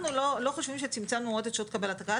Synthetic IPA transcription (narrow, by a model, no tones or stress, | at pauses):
nuloloχoʃvimʃet͡simt͡sanuodet̪ʃot̪kabelat̪aka